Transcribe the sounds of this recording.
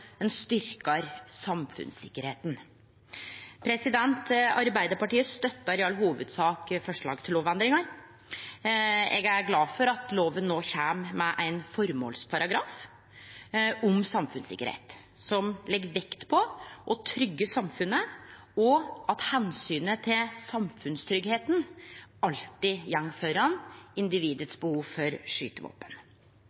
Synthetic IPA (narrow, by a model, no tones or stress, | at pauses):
ɛnst̪ʏɾkɑɾsɑmfʉ̰nsɪ̰kːəɾheːt̪n̩ | pʰɾɛsɪd̪ɛnt̪ɑɾbæɪd̪əɾpɑʈiːəst̪œt̪ːɑɾɛɑlːhuːʋʉd̪sɑːkfɔʂɭɑ̰ːɡt̪ʰɪloːʋɛnd̪ɾɪŋɑɾ | ɛ̰ɡæɾɡlɑːfɔɾɑt̪loːʋənːoːçæmmɛʔæɪnfɔɾmo̰ːlspʰɑɾɑɡɾɑːf | ɔmsɑmfʉnsɪ̰kːə̰ɾhḛːt̪sɔmlɛɡːʋɛkt̪pʰɔʔɔt̪ʰɾʏɡːəsɑmfʉnːə | ɔɑt̪hɛnsyːnət̪ʰɪlsɑmfʉnst̪ʰɾʏɡheːt̪nɑlt̪ɪjɛŋːfœɾɑnɪnd̪ɪʋiːd̪ət̪sbəhuːʋfɔɾʂyːt̪əʋo̰ːpən